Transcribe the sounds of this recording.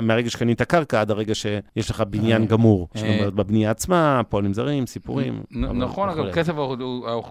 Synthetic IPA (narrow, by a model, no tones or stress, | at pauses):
meaʁeɡaʃe̥kanit̪akaʁkaad̪aʁe̞ɡaʃe̞jeʃleχabinjanɡamuʁʃlamjot̪bebnijaːt͡smapolimzaʁimsipṵʁim̰naχonaɡakesevaduao